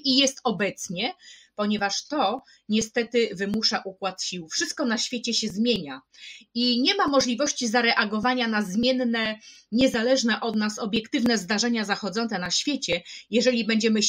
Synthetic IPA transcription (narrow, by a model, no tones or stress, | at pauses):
ijɛst̪ɔbɛt̪sɲɛpɔɲɛvaʂt̪ɔ | ɲɛst̪ɛt̪ɘvɘmuʂaʔukwat̪ɕiwfʂɘst̪̚kɔnaɕfʲjet͡ɕɛɕɛzmʲjeɲaiɲɛmamɔʐlʲivɔɕt͡ɕizaɾɛʔaɡɔvaɲanazmʲjɛnːɛ | ɲɛzalɛʐnɛʔɔd̪nasɔbʲjɛkt̪ɘvnɛzd̪aʐɛɲazaxɔd̪zɔnt̪sɛnaɕfʲjet͡ɕɛjɛʐɛlʲibɛɲd͡ʑɛmɘ